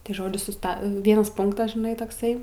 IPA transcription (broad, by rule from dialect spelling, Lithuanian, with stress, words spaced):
tɐɪ ˈʒoːd͡ʒʲʊ sʊˈstɐ ˈʋʲiɛnɐs ˈpʊŋktɐs ʒʲɪˈnɐɪ toːkˈsɐɪ